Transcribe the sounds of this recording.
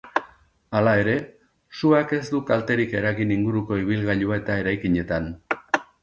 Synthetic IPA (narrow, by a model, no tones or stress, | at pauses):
alae̞ɾe̞ | suake̞zd̪ukalt̪e̞ɾike̞ɾaɣiniŋɡuɾuko̞iβ̞ilɣaʎuae̞t̪ae̞ɾajkiɲe̞t̪an